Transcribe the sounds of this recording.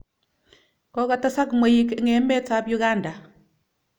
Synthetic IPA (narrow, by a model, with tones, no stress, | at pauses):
kɔ˦ka˦ta˦sa˦kmwe˦ji˦ke˦ŋe˨˦mɛ˦ta˨˦bju˦ɣa˦nda˨